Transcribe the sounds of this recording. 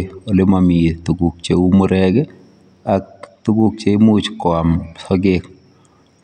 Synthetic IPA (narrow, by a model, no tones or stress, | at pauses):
olemamietuɡuk̚t͡ʃeumuɾɛɡɛ | ak̚tuɡuk̚t͡ʃeimut͡ʃkɔamsɔɡek̚